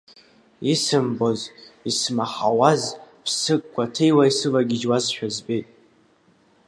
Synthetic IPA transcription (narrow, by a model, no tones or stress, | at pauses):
isɨmbo̞zismaħawazpʰsɨkʼkʷʰːatʰe̞jwaisɨvaɡʲɪd͡ʒwazʃᶣazbejtʼ